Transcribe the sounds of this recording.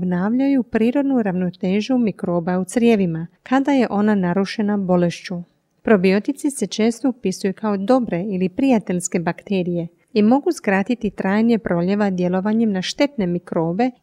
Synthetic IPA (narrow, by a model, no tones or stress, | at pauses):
bnaːʋʎajupɾiːɾo̞d̪nuɾaʋno̞t̪e̞ːʒumikɾo̞ːbaut̪sɾjeʋimakad̪aje̞ʔo̞nanaɾuʃe̞nabo̞le̞ʃt͡ɕu | pɾo̞bio̞t̪it̪sise̞t͡ʃe̞ːst̪oupisujukʰao̞d̪o̞bɾe̞ilipɾijat̪e̞ʎske̞bakt̪e̞ːɾije̞ | imo̞ɡuskɾaːt̪it̪it̪ɾaːjniepɾʔo̞ʎe̞ʋad̪je̞lˠo̞ʋaɲemnaʃt̪e̞t̪ne̞mikɾo̞ːbe̞